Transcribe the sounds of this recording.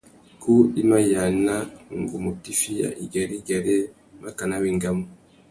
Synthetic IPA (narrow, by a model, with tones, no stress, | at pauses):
ku˦i˦ma˦ja˨na˦ŋɡu˨mu˨ti˦fi˦ja̰˨ʔi˨ɡa˨ɾi˦ɡa˨ɾe˦ | ma˦ka˨na˦βi˨ŋɡa˨mo˨